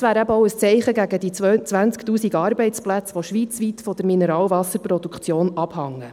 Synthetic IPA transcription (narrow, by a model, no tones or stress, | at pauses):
sʋæːɾæbəɔʊəst͡sɛɪχəɡæɡəd̥̪it͡sʋænt͡skt̪uːsiɡɑːɾbɛɪt͡splæt͡sʋoʃʋiːt͡sʋiːt̪fɔd̥̪əɾminɛɾɑːlvɑsəɾpɾɔd̥̪ukχt͡sjoːnɑb̥hɑŋːə